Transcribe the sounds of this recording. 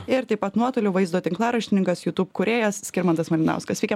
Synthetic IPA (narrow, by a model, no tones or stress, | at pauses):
ɪɾt̪ɐɪpɐt̪nuɔt̪oːlʲʊʋɐɪzd̪oːt̪ʲɪŋklˠɑːɾɐʃʲt̪ʲɪnʲɪŋkɐsjuːt̪upkʊɾʲeːjɛssʲkʲɪɾmɐnt̪ɐsmɐlʲɪnɑ̰ʊskɐsʋʲiːkʲɛ